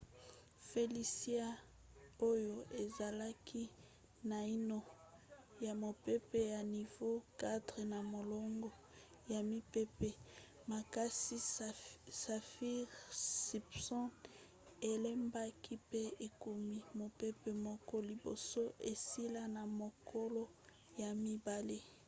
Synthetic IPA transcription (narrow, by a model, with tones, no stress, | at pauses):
fe˨li˦si˦a˦ | o˦jo˨ʔe˨za˨la˦kʰi˦ | na˨i˦no˦˨ | ja˨mo˨pe˦pe˦ja˨ni˨vo˦ka˦dʁe˨na˨mo˨lɔ˦ŋɡɔ˦ | ja˨mi˦pe˦pe˨ | ma˨ka˦si˦ | sa˨fi˦ʁsi˨psɔ˦n | e˨le˦mba˦ki˦pe˦e˨ko˨mi˦mo˨pe˦pe˦mɔ˦kɔ˦li˨bo̰˨so˦ʔe˨si˦la˦na˨mo˨kʰo˦lo˦ | ja˨mi˦ba˨le˦